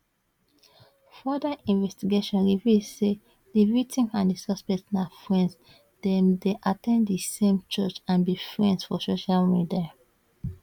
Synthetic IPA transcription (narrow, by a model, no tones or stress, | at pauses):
fɔdaʔĩnvɛstiɡeʃɔ̃nɹivizse | divitʰĩmãndisɔspɛk̚tnafɹɛ̃ns | dɛ̃mdeʔatɛ̃nddisẽmt͡ʃɔt͡ʃãnbifɹɛ̃ndsfɔsoʃalmidia